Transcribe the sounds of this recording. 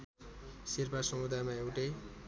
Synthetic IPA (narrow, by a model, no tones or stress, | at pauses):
sirpasʌmud̪ʱajmaewʈe